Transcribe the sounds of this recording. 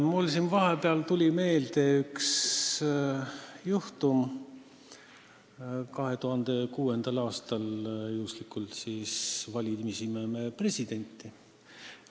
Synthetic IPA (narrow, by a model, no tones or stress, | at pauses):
mulsinvɑɦe̞peɑlt̪ulʲime̞ːld̪e̞yks | juht̪um | kɑɦe̞t̪uɦɑnd̪̥e̞kuːe̞nd̪̥ɑlɑːst̪ɑljust̪likːˑult̪siːsvɑlʲimisimemepre̞sʲid̪̥e̞nʲt̪ˑːi